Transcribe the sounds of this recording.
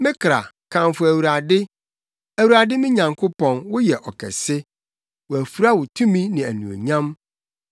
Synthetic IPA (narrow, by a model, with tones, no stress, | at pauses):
mɪ̃˦kʰɾa̰˨ | kʰã˨mfʊ˨æ˨wu˨ɾa˨dɪ˦ | æ˨wu˨ɾa˨dɪ˦mɪ̃˦ɲã˨ŋkʰʊ˦pʰɔ̃˨nwʊ˦jɛ˨ʔɔ˨kʰɛ̰˨sɪ˦ | wɔ˨æ˨fu˨ɾa˦wʊ˨tʰũ˦mĩ˦nɪ̃˨æ̰˨nũ˨o̰˨ɲã˦m